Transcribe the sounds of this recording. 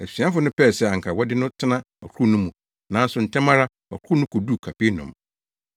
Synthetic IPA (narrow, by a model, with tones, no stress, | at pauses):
æ˨si˨˦ã˦fʊ˨˦nʊ̃˦pɛ˦˨sɛ˦˨ã˨ŋ̩˨kʰa˨wɔ˦dɪ˦nʊ̃˦tʰɪ˦nã˦ | ɔ˨kʰu˦nʊ̃˦mũ˨ | nã˨˦n̩˦sʊ˨n̩˨tʰɛ̃˦mã˦ɾa˦ | ɔ̰˨kʰu˦nʊ̃˦kʰʊ˨du˦kʰa˨pe˦nɔ̰̃˨m